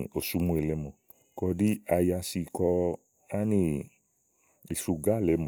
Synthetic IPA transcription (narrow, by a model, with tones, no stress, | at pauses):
o˨su˧˦mũ˧˦e˨˧lɛ˨˧˦mɔ̃˨ | kɔ˧di˦a˧ja˧si˧kɔ˧ | a˦nĩ˧ | i˨su˧ɡa˦˨lɛ˨˦mɔ̃˨